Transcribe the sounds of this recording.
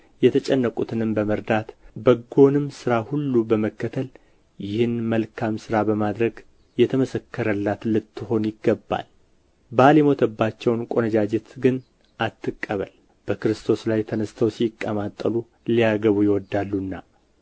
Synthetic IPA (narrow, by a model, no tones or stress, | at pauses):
jɛt̪ʰət͡ʃʼɛnːəkʼut̪ʰɨnɨmbəməɾd̪at̪bəɡo̞nɨmsɨɾahulːubəməkːət̪ʰəl | jɪhɨnməlkʰamsɨɾabəmad̪ɾəɡ | jɛt̪ʰəməsəkʰːəɾəlːat̪lɨt̪ʰːɨho̞njɪɡːəbːa̰l | balɛmo̞t̪ʰəbːat͡ʃːɛwnkʼo̞nəd͡ʒad͡ʒet̪ɡɨn | ʔat̪ʰːɨkʼːəβəl | b̥əkɨɾɨst̪ʰo̞slajt̪ʰənəst̪ʰəwsikʼːəmat̪ʼːə̰lu | lijaɡəβujɛwɔd̪alːunːa